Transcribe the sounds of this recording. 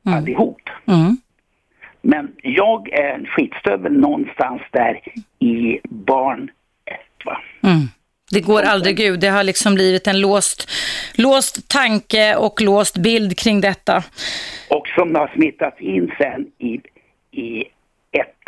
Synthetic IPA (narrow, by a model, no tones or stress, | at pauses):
alːɪhuːpː | mɛnjɑːɡæɾɧiːt̪st̪øːvəlnɔnːst̪ansd̪æɾɪbɑːɳ | ɛt̪ːva̰ | d̪ɛɡoːɾald̪ɾɪɡʉ̟ːɛɦaɭɪksɔmbliːvɪt̪ɛnloːst̪loːst̪ʰːaŋkəɔkloːst̪bɪld̪kʰɾɪŋd̪ɛt̪ːa | ɔksɔmd̪ɛhaʂmɪt̪ːat̪sɪnːsɛnːɪ | ɪ | ɛt̪ː